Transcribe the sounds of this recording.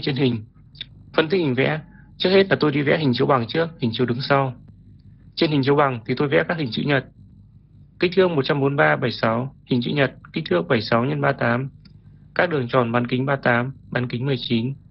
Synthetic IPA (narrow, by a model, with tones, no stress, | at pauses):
t͡ɕe˧nɦï˨˩ŋ̟ | fə˧˩nt̪ʰk̚hi˨˩ŋ̟vɛ̰˧˥ | t͡ɕɨ˦˥ək̚he˦˥t̚laː˨˩t̪o˧jɗi˧vɛ̰˧˥ɦï˨˩ŋ̟t͡ɕi˨˦wɓa˨˩ŋt͡ɕɨ˦˥ək̚hi˨˩ŋ̟t͡ɕi˨˦wɗɨ˨˦ŋsa˧w | t͡ɕe˧nhi˨˩t͡ɕi˨˦wɓa˨˩ŋt̪ʰi˨˩t̪o˧jvɛ̰˧˥kaː˦˥k̚hï˨˩ŋ̟t͡ɕɨ̰˧˥ɲə˨˩t̚ | ki˦˥k̚t̪ʰɨ˧˥əŋmo˨˩t̚t͡ɕa˧mɓo˨˦nɓaː˧ɓə˧˩jsa˨˦whï˨˩ŋ̟t͡ɕɨ̰˧˥ɲə˨˩t̚ki̟˦˥t̪ʰɨ˧˥əŋ̚ɓə˧˩jsa˨˦wɲə˧nɓaː˧t̪aː˨˦m | kaː˦˥k̚ɗɨ˨˩əŋt͡ɕɔ˧˩nɓaː˨˦nkï˨˦ŋ̟ɓaː˧t̪aː˨˦mɓaː˨˦nkï˨˦ŋ̟mɨ˨˩əjt͡ɕi˨˦n